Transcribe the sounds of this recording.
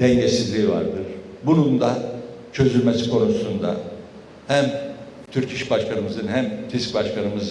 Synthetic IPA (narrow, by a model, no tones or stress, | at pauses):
d̪̥ɛɲɟe̞sizlʲiːva̰ɾd̪ɯɾ̥bunund̪a | t͡ʃʰø̞zyɾmesi̥kʰo̞nusund̪a̰ | hæm | t̪ʰyɾcʰiʃbaʃkʰanɯmɯzɯnhæmt̪ʰisc̚baʃkʰanɯmɯz